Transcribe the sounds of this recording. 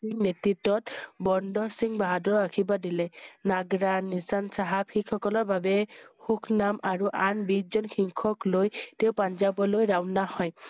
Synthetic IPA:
iŋnetitːɔtbɔndɔsiŋbaɦadɔɹakʰibadilɛnaɡɹanːisansaɦabxikʰɔkɔlɔɹbabɛxukʰnamaɹuʔanbid͡ʒɔnxʰiŋkʰɔklojteʊpand͡ʒabɔlojɹawnahɔj

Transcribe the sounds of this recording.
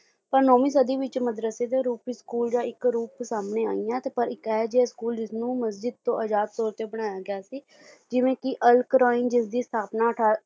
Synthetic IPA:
pəɾnoːmĩːs̬əd̪iːʋɪt͡ʃməd̪ɾəseːd̪eːɾuːpiskuːld͡ʒãːɪkɾuːpsaːmneːa̰ːijãːt̪eːpəɾɪkɛːd͡ʒskuːld͡ʒɪsnũːməsd͡ʒɪd̪̚t̪õːʔəd͡ʒaːd̪̚t̪oːɾt̪eːbəɽ̃aːjaːɡɪaːsiː | d͡ʒɪʋẽːkɪʔəlkɾaːɪnd͡ʒɪsd̪iːst̪ʰaːpnaːʈʰaː

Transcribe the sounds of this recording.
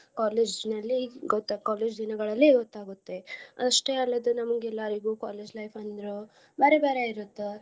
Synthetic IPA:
kaːleːd͡ʒnɐlːiɡɔt̪ːakaːleːd͡ʒd̪inɐɡɐɭɐlːiɡɔt̪ːaːɡut̪ːe̞ɐɐʂʈeɐlːɐd̪unɐmɐɡɛlːaːɾiɡuːkaːleːd͡ʒlɐjpʰɐnd̪ɐɾu | bɐɾebeːɾeiɾut̪ːe

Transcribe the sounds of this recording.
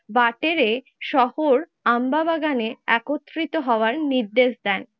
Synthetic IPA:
baʈeɾe | ʃɔhoɾ | ambabaɡaneɛkot̪ːɾit̪oɦɔoaɾniɾd̪eʃd̪ɛn

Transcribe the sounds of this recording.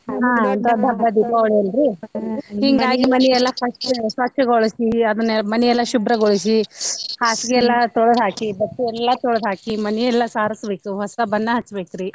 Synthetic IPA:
ɦaːɐnd̪ɐd̪ʱɐbːɐd̪ipɐʋɭiɐlɾi | hiŋɡaːɡimɐniɛlːɐpɐʂʈsʋɐkʃɐɡoɭisiɐd̪ɐnːɛmɐniɛlːɐʃubɾɐɡoɭisihaːsɡeɛlːɐt̪oɭɐd̪ʱɦaːkibɐt̪ːuɛlːɐt̪oɭɐd̪ɦaːkimɐniɛlːɐsaːɾɐsbeːkuɦɔst̪ɐbɐnːɐɦɐt͡ʃːbeːkuɾi

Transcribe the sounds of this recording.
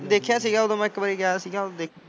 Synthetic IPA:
d̪eːkʰjãːsiːɡãːod̪õːm̃ːɪkbəːɾiːɡaːsiːɡãːd̪eː

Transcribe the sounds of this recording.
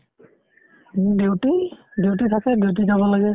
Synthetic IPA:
dewtidewt̬itʰakɛdewt̬izabɔlaɡɛ

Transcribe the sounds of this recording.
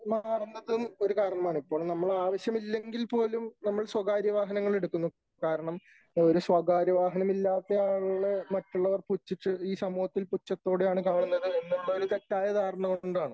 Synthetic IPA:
maːrnd̪ɐðɨno̞ɾukaːɾɐɳɐmaːɳipːo̞ːɭnɐmːɐɭaːʋɐɕjɐmilːe̞ŋɡilpo̞ːlumnɐmːɐɭswɐɡaːɾjɐʋaːɦɐnɐŋːɐɭe̞ɽukːunːu | kaːɾɐɳɐm | oɾuswɐɡaːɾjɐʋaːɦɐnɐmilːaːt̪ːejaːɭɳɨmɐtːuɭːɐʋɐrput͡ɕːit͡ɕːɨiːsɐmuːhɐt̪ːilput͡ɕːɐt̪ːo̞ːɽejaːɳɨkaːɳunːɐðɨenːeɳd̪aːilumt̪etːaːjɐd̪aːrɳɐkoɳɖaːɳɨ

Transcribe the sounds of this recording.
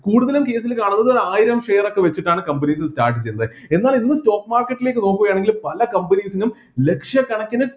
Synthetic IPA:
kuːɽuðɐlumke̞ːs̬ilkaːɳunːɐðoaːjiɾɐmʂe̞ːro̞kːe̞ʋet͡ɕːiʈːaːɳɨkɐmbɐniːs̬ɨstaːrʈːɨt͡ɕejunɐðɨ | e̞nːaːlinːɨsto̞ːkːmaːrkːɐʈːile̞ːkːɨno̞ːkːuɣɐjaːɳe̞ŋɡilpɐlɐkɐmbɐniːsinum | le̞kʂjɐkːɐɳɐkʲːɐnɨ

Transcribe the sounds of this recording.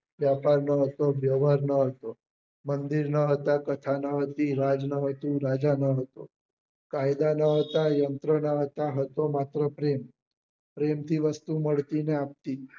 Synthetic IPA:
ʋjapaɾnəɦət̪oʋjəʋaɾnəɦət̪o | mənd̪iɾnəɦət̪akət̪ʰanəɦət̪iɾad͡ʒnəɦət̪ũɾad͡ʒanəɦət̪o | kajd̪anəɦət̪ajənt̪ɾənəɦət̪aɦət̪omat̪ɾəpɾem | pɾemt̪ʰiʋəst̪uməɭt̪ineap̚t̪i

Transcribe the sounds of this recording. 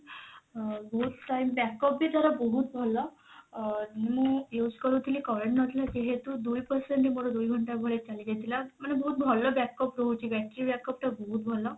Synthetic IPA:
bosʈaimbɛkəpbiːd̪ʱaɾabəɦut̪̚bʱɔlːa | niməɡjud͡zkəɾut̪ʰiliːkəɾəɳʈnət̪ʰlad͡ʑeɦet̪uːd̪ujpəɾseɳʈemoɽə̃d̪ujɡʱəɳʈaɡʱəɭet͡saliːd͡ʑet̪ilamənebəɦut̪̚bʱɔlːəbɛkəpɾout͡ɕiːʋɛk̚ʈɾɾibɛkəp̚t̪abəɦut̪̚bʱɔlːə

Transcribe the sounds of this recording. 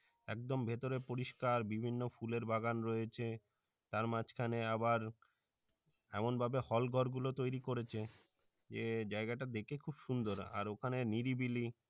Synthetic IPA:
ɛ̰k̚d̪ombʱet̪oɾepoɾiʃkaɾbibʱinːofuleɾbʱaɡanɾojet͡ɕʰe | t̪aɾmad͡ʑkʰaneabaɾ | ɛ̰monbʱabehɔlɡʱɔɾɡulot̪ojɾikoɾet͡ɕʰe | d͡ʑed͡ʑaeɡaʈad̪ekʰekʰubʃund̪oɾa̰ɾokʰaneniɾibili

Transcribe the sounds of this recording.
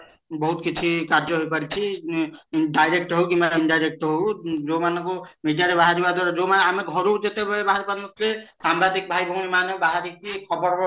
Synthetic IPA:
bɔɦut̪kit͡ʃʰikaɾd͡ʒɔɦojpaɾit͡ʃʰi | ɖajɾek̚ʈɦowkimaiɳɖajɾek̚ʈɦowd͡ʒomanɔkomedjaɾebaɦaɾibad̪waɾed͡ʒomanameɡʱɔɾod͡ʒet̪ebɔebaɦaɾibamɔt̪lesambɾad̪ʱik̚bʱajbʱumimanebaɦaɾikikʰɔbɔɾ

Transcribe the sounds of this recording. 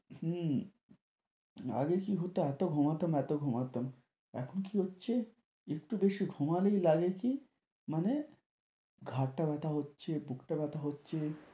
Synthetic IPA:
h̩ | a̰ɡekiɦot̪eɛt̪oɡʱomat̪omɛt̪oɡʱomat̪om | ɛ̰kʰonkiɦotːɕʰe | ek̚ʈubeʃiɡʱumalejlaɡeki | mane | ɡʱaʈːabɛt̪ʰaɦotːɕʰebukʰʈabɛt̪aɦotːɕʰe

